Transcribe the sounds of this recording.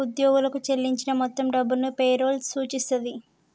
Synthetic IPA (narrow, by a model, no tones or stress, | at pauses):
ud̪joːɡulɐkut͡ʃelːiɲt͡ʃinɐmɔt̪ːɐmɖɐbːulnupeːɾo̞ːlsuːt͡ʃist̪ɐd̪i